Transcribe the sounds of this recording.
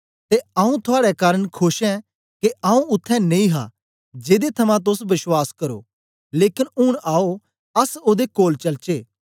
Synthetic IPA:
t̪eãːũt̪ʰʊaːɽɛkaːɾəɽ̃kʰʊʃɛ̃ | keʔaːũʊt̪ʰːɛ̃nẽĩɦa̰ | d͡ʒeːd̪et̪ʰɐmãt̪̬ʊsʋɪswaːskɐɾo̰ | leːkɪnʊɽ̃aːo | ɐsoːd̪ekoːlt͡ʃɐlt͡ʃeː

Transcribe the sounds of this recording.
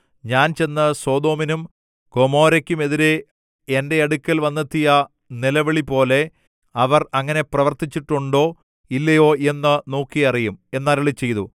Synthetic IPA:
ɲaːnt͡ɕe̞nːɨso̞ːd̪o̞ːminum | ko̞mo̞ːɾɐkʲːume̞ðiɾe | ende̞ɐɽukʲːɐlʋɐnːɐt̪ːijɐ | nilɐʋɐɭipo̞ːle̞ | ɐʋɐrɐŋːɐne̞prɐʋɐrt̪it͡ɕːiʈːuɳɖo̞ː | ilːɐjo̞ːe̞nːɨno̞ːkːijɐrijume̞nːaːlɐɭit͡ɕːe̞jt̪u

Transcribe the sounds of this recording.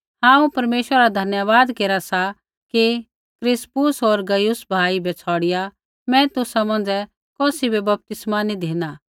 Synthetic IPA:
ɦãːũpɐɾmeːʃwəɾaɾad̪ʱɐnjəʋaːd̪keːɾasa | ki | kɾɪspʊsoɾɡɐjʊsbʱaːibʱɛt͡sʰɔːɽɪja | mɛ̃t̪ʊsamɐ̃nd͡zɛ | kɔːsibebɐp̚t̪ɪsmanid̪ʱeːna

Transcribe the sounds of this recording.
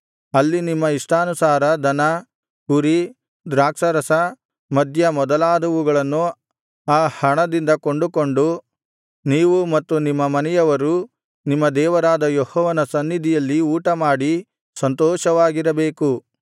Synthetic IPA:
ɐlːinimːɐiʂʈaːnusaːɾɐd̪ʱɐnɐ | kuɾi | d̪ɾaːkʂɐɾɐsɐ | mɐd̪ʱjɐmɔd̪ɐlaːd̪ɐʋuɡɐɭɐnːu | aːhɐɳɐd̪ind̪ɐko̞ɳɖuko̞ɳɖu | niːʋumɐt̪ːunimːɐmɐnɛjɐʋɐɾu | nimːɐd̪ɛːʋɐɾaːd̪ɐjɔhɔːʋɐnɐsɐnːid̪ʱijɐlːiuːʈɐmaːɽi | sɐnt̪ɔːʃɐʋaːɡiɾɐbeːku

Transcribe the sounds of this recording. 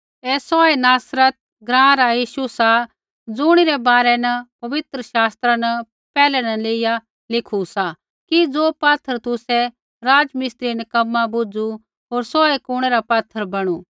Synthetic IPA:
ɛːsɔːɛnaːsɾət̪̚ | ɡɾãːɾajiːʃusa | d͡zʊɽ̃iɾɛbaːɾɛnɐpɐʋɪt̪ɾəʃaːst̪ɾanə | pɛːlɛnɐleːɪja | lɪkʰusa | kid͡zoːpaːt̪ʰːəɾt̪ʊsɛ | ɾaːd͡ʒmɪst̪ɾinɐkɐmːabʊd͡zu | ɦoːɾsɔːekʊɽ̃ɛɾapat̪ʰːəɾbɐɽ̃u

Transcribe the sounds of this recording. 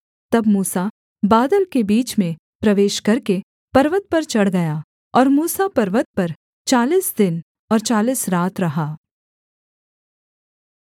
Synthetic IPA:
t̪ɐbmuːsa | baːd̪əlkebiːt͡ʃmẽ | pɾɐʋeːʃkɐɾke | pɐɾʋət̪̚pɐɾt͡ʃɐɽ̤ɡɐja | ɔːɾmuːsapɐɾʋət̪̚pɐɾ | t͡ʃaːliːsd̪ɪn | ɔːɾt͡ʃaːliːsɾaːt̪ʰɾɐɦaː

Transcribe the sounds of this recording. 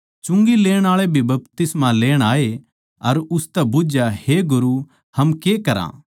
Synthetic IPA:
t͡ʃʊ̃ŋɡileːɽ̃aːɭebʱibɐp̚t̪ɪsmaleːɽ̃aːe | ɐɾʊst̪ɛbʊd͡ʒjaheɡʊɾu | hɐmkekɐɾã̰ː

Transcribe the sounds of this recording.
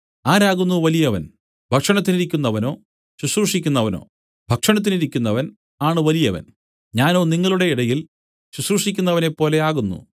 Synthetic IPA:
aːɾaːɣunːuʋɐlijɐʋɐ̰n | bʱɐkʂɐɳɐt̪ːiniɾikʲːunːɐʋɐno̞ː | ɕuɕruʂikʲːunːɐʋɐno̞̰ː | bʱɐkʂɐɳɐt̪̬ːiniɾikʲːunːɐʋɐn | aːɳɨʋɐlijɐʋɐ̰n | ɲaːno̞ːniŋːɐɭuɽe̞iɽɐjil | ɕuɕruʂikʲːunːɐʋɐne̞pːo̞ːle̞aːɣunːṵ

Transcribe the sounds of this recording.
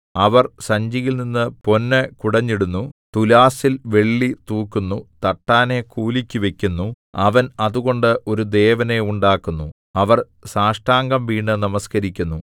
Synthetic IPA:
ɐʋɐrsɐɲd͡ʑijilninːɨpo̞nːɐkuɽɐɲːiɽunːut̪ulaːsilʋe̞ɭːit̪uːkːunːut̪ɐʈːaːne̞kuːlikʲːuʋe̞kʲːunːu | ɐʋɐnɐðuɣo̞ɳɖɨʔo̞ɾud̪e̞ːʋɐne̞uɳɖaːkːunːu | ɐʋɐr | saːʂʈaːŋɡɐmʋiːɳːɨnɐmɐskɐɾikʲːunːu

